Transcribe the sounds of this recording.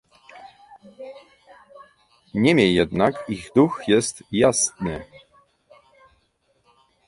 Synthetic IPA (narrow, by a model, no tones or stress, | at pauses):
ɲɛmʲjɛjɛd̪nakiɣd̪uxjɛst̪jasnɘ